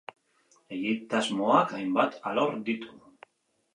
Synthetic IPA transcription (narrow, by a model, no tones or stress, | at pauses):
e̞ɣit̪azmoakajmbat̪aloɾd̪it̪u̥